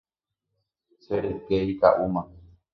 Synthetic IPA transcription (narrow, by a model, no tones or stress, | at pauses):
seɾekeik̪a̰ʔumã